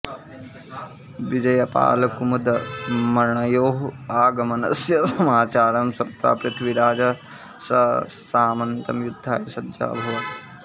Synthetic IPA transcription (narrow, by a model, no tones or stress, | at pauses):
ʋid͡ʒɐjɐpa̰ːlɐkumɐd̪ɐmɐɾɳɐjoːɦaːɡɐmɐnɐ̰sjɐsɐmaːt͡ʃaːɾɐmsɐt̪ːa̰ːpɾɪt̪ʰʋiɾaːd͡ʒɐ | sɐ | saːmɐnt̪ɐmjud̪ʱːa̰ːjɐsɐdd͡ʒa̰ːbʱɐʋɐ